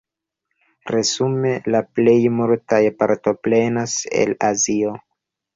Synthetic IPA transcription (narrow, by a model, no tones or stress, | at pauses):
ɾe̞zume̞laple̞jmuɾtajpaɾto̞pɾe̞nase̞̰lazio̞